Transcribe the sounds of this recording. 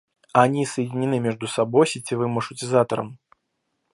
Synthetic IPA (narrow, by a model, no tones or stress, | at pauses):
anʲisɐjid͡zʲinʲinɨmʲɛʐd̪usabɔjsʲit͡sʲivɨmɐʂut͡sʲizat̪ɐɾɐ̰m